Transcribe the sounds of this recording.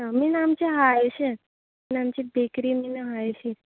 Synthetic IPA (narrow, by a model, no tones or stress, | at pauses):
aminamt͡ɕeɦajeɕe | minamt͡ɕiːbʱekɾiːminɦajeɕi